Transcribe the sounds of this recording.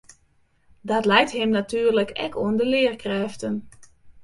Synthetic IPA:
dɔtlɛjtɦɪmnatyːərləkʰɛ̰kʰuəndəlɪːrkrɛːftən

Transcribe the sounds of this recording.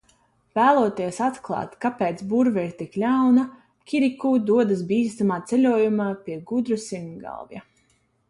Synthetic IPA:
væːlˠuɔt̪iɛsat̪klˠɑ̰ːt̪kapeːt̪sbuɾvɛiɾt̪iklʲawna | kʰʲiɾikuːd̪uɔd̪asbiːst̪amaːt̪selʲuɔjumaːpʲiɛɡud̪ɾusiŋɡa̰lˠvja̰

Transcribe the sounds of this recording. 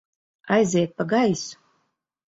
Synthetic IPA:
ajzʲɛɛt̪̚paɡajsu̥

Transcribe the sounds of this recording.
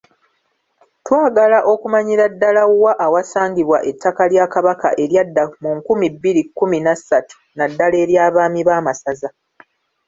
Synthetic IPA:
twaːɡalaʔo̞kumaɲiɾadːalawaʔawasaːɲɡiβwaʔe̞tːakaljaːkaβaka̰ʔe̞ɾjadːamuŋkumibːiɾikːuminasatu̥nadːale̞ːɾjaːβaːmiβaːmasaza

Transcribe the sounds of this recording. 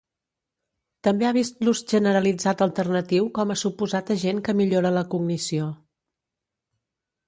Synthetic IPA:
t̪əmbeaβist̪luzʒənəɾəlid͡zat̪əlˠt̪ərnət̪iwkɔməsupuzat̪əʒeŋkəmiʎoɾələkuɡnisio

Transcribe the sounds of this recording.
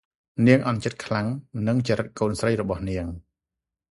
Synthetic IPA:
niəŋʔɑnt͡ɕət̪̚kʰlaŋnɨŋt͡ɕəɾɨt̪̚koːnsrəjrɔɓɑhniəŋ

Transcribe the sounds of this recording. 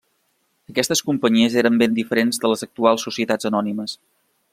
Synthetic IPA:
əkɛst̪əskumpəɲiəzeɾəmbend̪ifəɾenzðələzək̚t̪ualˠsːusiət̪ad͡zənɔniməs

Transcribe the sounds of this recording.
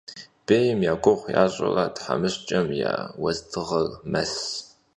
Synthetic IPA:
b̥eːjɪmjaːɡʷʊʁʷja̰ːɕʼɐ̰ratħamɨɕt͡ʃʼɐmja̰ːwɐztʰɨʁɐrmɐs

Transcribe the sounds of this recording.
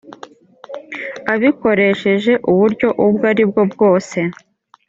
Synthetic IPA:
aβiko̞ɾe̞ʃe̞ʒe̞ʔuβuɾɟo̞ʔubɡaɾib̚ɡo̞bɡo̞ːse̞

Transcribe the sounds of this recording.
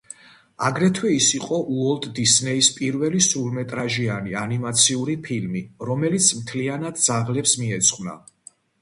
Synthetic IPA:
aɡɾɛt̪ʰwɛisiqʼɔʔuɔlt̪ʼd̪isnɛispʼiɾvɛlisulmɛt̪ʼɾaʒianianimat̪sʰiuɾipʰilmiɾɔmɛlit̪sʰmt̪ʰlianad̪̚d̪z̥aʁlɛpsmiɛt̪sʰʼχwna̰

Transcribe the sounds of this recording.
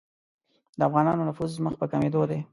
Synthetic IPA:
d̪əafɣɑnɑnonafuzːməxpəkamed̪od̪e

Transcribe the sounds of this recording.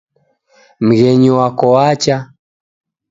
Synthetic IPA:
m̩ɣɛɲiwakɔwat͡ʃa

